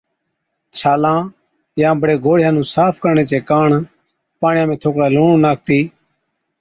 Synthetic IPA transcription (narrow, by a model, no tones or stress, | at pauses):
t͡ʃʰaːlãː | jãːbəɽeːɡʱoːɽɪjãːnũːsaːpʰkəɾɳeːt͡ʃeːkaːɳ | paːɳɪjãːmẽːt̪ʰoːkɽaːluːɳũːnaːk̚ʰt̪iː